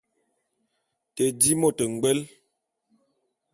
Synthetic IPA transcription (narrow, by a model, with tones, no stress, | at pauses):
tə˨di˦mo˦˨tə˨ŋ̩˨ɡ͡bɛ˦l